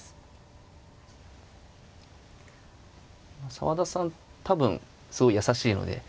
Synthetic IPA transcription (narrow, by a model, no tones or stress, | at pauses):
masa̰βad̪asãnt̪ʰabɯ̟̃n | sɨɡo̞ijasaɕiːno̞̰d̪e̞̰